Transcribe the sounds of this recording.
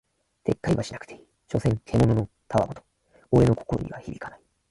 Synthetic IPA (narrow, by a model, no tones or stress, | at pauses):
t̪e̞kːaiβaɕinḁkɯ̟̥t̪ʰe̞ | ɕo̞sẽ̞ŋt̪ʰe̞mo̞no̞no̞ | t̪ʰaβa̰bot̪o̥ | oɾe̞noko̞̥ko̞ɾo̰ɲ̟ḭβaçibʲikanai